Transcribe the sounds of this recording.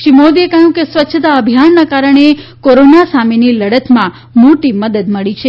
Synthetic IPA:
ʃimod̪ekəɦjũkesʋətːʃʰət̪aəbʱjanːakaɾəɳ̃ekoɾonasameniləɽət̪mã | moʈiməd̪əd̪məɭit͡ʃʰe

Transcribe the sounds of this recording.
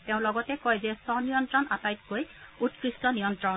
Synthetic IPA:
teʊ̃lɔɡɔtɛkɔjzɛsɔnijɔntɹɔnatajt̚kojutkɹistɔnijɔntɹɔ

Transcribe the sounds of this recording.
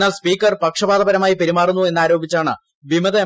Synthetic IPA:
aːlspiːkːɐrpɐkʂɐbaːd̪ɐbɐɾɐmaːjipeɾimaːrunːue̞nːaːɾo̞ːbʱit͡ɕːaːɳɨ | ʋimɐðɐ

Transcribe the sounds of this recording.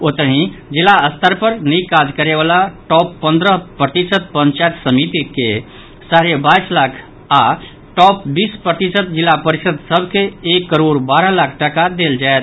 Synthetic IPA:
ot̪əɦĩd͡ʒilaəst̪ʰəɾpəɾnikad͡ʒkəɾebalaʈɔpːə̃nd̪ɾəpɾət̪isət̪̚pə̃nt͡ʃajt̪səmit̪ike | saɾebaislakʰ | a | ʈɔpbiːspɾət̪isət̪̚d͡ʒilːapəɾisəd̪səbʱkeːkːəɾoɾbaɾəlakʰʈəkad̪eld͡ʒaet̪̚ʰ

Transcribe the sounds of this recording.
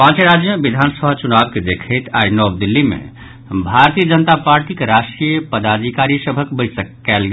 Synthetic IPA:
pãːt͡ʃeɾad͡ʒjəmebid̪ʱansəbʱat͡ʃunabked̪ekʰəɪt̪ʰajnɔb̚d̪ilːimḛ | bʱaɾt̪ijəd͡ʒənət̪apaɾʈikeɾaʃʈɾijpəd̪ad̪ʱikaɾisəbʱəkbəɪsəkːɛlɡ

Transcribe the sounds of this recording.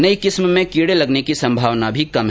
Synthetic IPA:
nɐikɪsmmẽkiːɽelɐɡnekisɐ̃mbʱaːʋnabʱikɐmɦ

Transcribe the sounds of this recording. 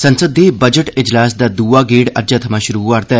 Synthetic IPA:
sənsəd̪ːiːbəd͡ʒəʈɪd͡ʒlaːsd̪aːd̪uːaːɡeːɽə̰d͡ʒaːt̪ʰəmaːʃʊɾuːaɾt̪ɛ

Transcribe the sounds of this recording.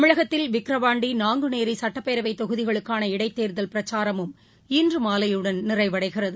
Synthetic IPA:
ɐmɪɻɐɣɐt̪ːɪlʋɪkɾɐʋaːɳɖinaːŋɡɯneːɾisɐʈːɐpːeːɾɐʋɐɪt̪ːɔɣɯðɪɣɐɭɯkːaːnɐɪɽɐɪt̪ːeːɾðɐlpɪɾɐt͡ʃaːɾɐmɯm | iːndrɯmaːlɐjɯɽɐnnɪrɐɪʋɐɽɐɪɣɪrɐðɯ

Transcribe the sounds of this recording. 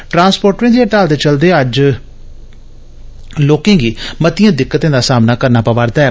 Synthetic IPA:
ʈɾãːnspoːɾʈɾẽːd̪eːʈaːlt̪eːt͡ʃəld̪eːəd͡ʒ | loːkẽːɡiːmət̪ɪjãːd̪ɪkːət̪ẽːd̪aːsaːmnaːkəɾnaːpəʋaːɾd̪aːɦɛː

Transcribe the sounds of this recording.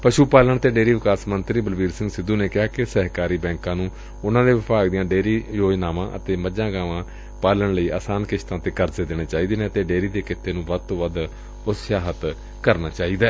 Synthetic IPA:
pəʃuːpaːləɳt̪eːɖeːɾiːʋɪkaːsmənt̪ɾiːbəlʋiːɾsɪ̃ŋɡsɪd̪uːneːkɪɦaːkɪsɛɦkaːɾiːbɛ̃ːŋkãːnũː | ʊnãːd̪eːʋɪpʰaːɡd̪ijãːɖeːɾiːjoːd͡ʒnaːʋãːʔət̪eːməd͡ʒãːɡaːʋãː | paːləɳləiːʔa̰ːsaːnkɪʃt̪ãːt̪eːkəɾzeːd̪eːneːt͡ʃaːiːd̪eːnẽət̪eːɖeːɾiːd̪eːkɪt̪ʰːeːnũːʋəd̪̚t̪õːʋəd̪ | ʊsʃjaːɦət̪ | kəɾnaːt͡ʃaːiːd̪aɛː

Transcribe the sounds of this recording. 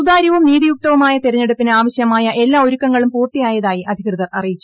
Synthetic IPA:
d̪aːɾjiʋumniːðijuk̚t̪ɐʋɐmaːjɐt̪eɾɐɲːe̞ɽupːinaːʋɐɕjɐmaːjɐʔe̞lːaːo̞ɾukːɐŋːɐɭumpuːrt̪ijaːjɐðaːjiʔɐd̪ʱikrɨðɐrɐrijit͡ɕːu̥

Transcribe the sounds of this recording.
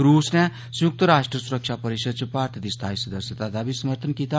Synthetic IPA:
ɾusna | sjuk̚t̪əɾasʈrəsuɾək̚t͡ʃʰapʌɾisəd̪̚t͡sʰupaɾt̪ʰɐd̪ist̪ʰajsud̪əsjət̪ad̪abisɐməɾt̪ʰənkit̪a

